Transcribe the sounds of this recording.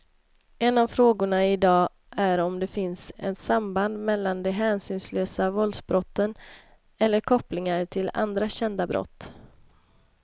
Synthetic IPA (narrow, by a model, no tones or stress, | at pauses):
ɛnːavfɾoːɡʊɳaɪd̪ɑː | ʔæɾɔmd̪ɛfɪnsɛ̰nt̪samband̪mɛlːand̪ɛɦɛːnsyːnsløːsavɔld̪sbɾɔt̪ːən | ɛlːəɾkʰɔplɪŋaɾʈʰɪla̰nd̪ɾaɕɛnd̪abɾʔɔ̰t̪ː